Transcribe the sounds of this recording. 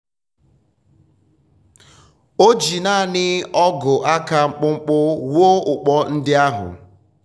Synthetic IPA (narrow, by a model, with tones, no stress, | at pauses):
o˦d͡ʒi˨na˦˨nɪ˦ɔ˦ɡʊ˨ʔa˦ka˦ŋ͡m̩˦k͡pʊ˦ŋ͡m̩˦k͡pʊ˦wo˦ʊ˨k͡pɔ˦n̩˦dɪ˦a˦ɦʊ̰˨